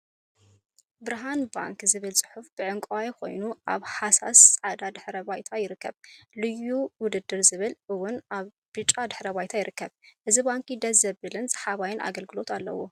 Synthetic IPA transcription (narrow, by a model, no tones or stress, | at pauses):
bɨɾɦanba̰ŋkzɨβɨlt͡sʼɨ̥ħufb̥ɨʕɨŋkʼwajikʰo̞̰jnuʔa̰βħasa̰sːʼʕad̪ad̪ɨħɾɐbajt̪ʰajɪɾɨkːɐβlɨjuwʊd̪ɨd̪ːɨɾzɨβɨlʔɨwʊnʔaβ | b̥ɨt͡ʃʼːad̪ɨħɾɐβajt̪ʰajɪɾɨkːɐβʔɨzibaŋkʰid̪ɐzɐbɨlɨnz̥ħaβajɪnʔa̰ɡɐlɡɨlo̞t̪ʰalːɐ̰wu